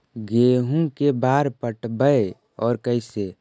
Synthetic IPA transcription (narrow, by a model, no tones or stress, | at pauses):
ɡeːɦũkebaːɾpəʈbəe | ɔːɾkəɪse